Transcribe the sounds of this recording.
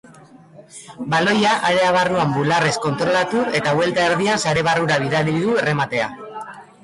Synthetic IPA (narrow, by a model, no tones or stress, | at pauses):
balo̞jaʔaɾe̞aβarnuambulare̞sko̞nt̪ɾo̞lat̪ue̞t̪aβwe̞lt̪aeɾðiansaɾe̞βaruɾaβ̞iðaliðue̞re̞mat̪e̞a̰